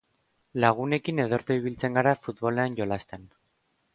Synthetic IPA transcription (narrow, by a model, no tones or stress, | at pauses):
laɣ̞une̞kine̞ð̞o̞ɾt̪oiβ̞ilt͡se̞ŋɡaɾafut̪βo̞le̞anʝo̞last̪en